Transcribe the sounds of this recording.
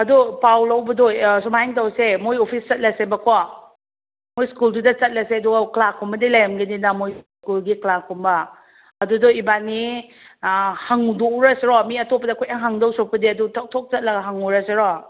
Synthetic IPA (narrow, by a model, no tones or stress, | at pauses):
ɐdupawlawbɐdojsumajiŋtawsemojopʰist͡ʃɐt̚lɐsebɐkʰɔ | mojskuldudɐt͡ʃɐt̚laseɐduɡaklakʰɔmbɐdilajamɡɐninɐmoj | kulɡiklakʰɔmbɐ | ɐdudoibani | haŋudouɾɐseɾɔmiɐtɔpːɐdɐkʰojaŋɦaŋdɔwsɔk̚pɐdiɐdutʰɔk̚tʰɔk̚t͡ʃɐt̚lɐɡɐɦaŋuɾɐseɾɔ